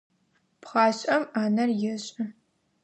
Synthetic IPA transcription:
pχɑːɕʼɐmaːnɐrjɪɕʼɪ

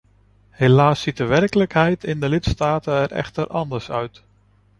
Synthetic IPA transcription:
helaːsit̚dəʋɛrkələkɦɛjtɪndəlɪtstaːtəɛɾɛ̰χtəɾʔɑndəɹsœɥt

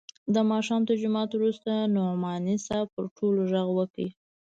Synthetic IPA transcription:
d̪əmɑʃɑmt̪əɾd͡ʒʊmɑt̪wɾust̪anomɑnisɑpəɾʈʰoloʒaɣwəki

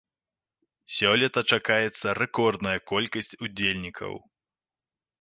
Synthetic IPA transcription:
sʲɔlʲɛt̪ɐt͡ʂakajɛt̪sːɐrɛkɔrd̪nɐjɐkɔlʲkɐsʲt͡sʲud͡zʲelʲnʲikʰɐ̰w

